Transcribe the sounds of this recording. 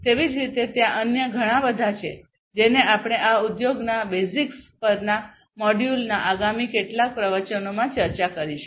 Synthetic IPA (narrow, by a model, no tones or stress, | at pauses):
t̪eʋid͡ʒɾit̪et̪jãʔənjəɡʱəɽ̃ãbəd̪ʱat͡ʃʰḛ | d͡ʒeneapɽ̃eʔaud̪joɡnabezikspəɾna | mɔɖjulnaʔaɡamikeʈlak̚pɾəʋət͡ʃənomãt͡ʃəɾt͡ʃakəɾiʃe̥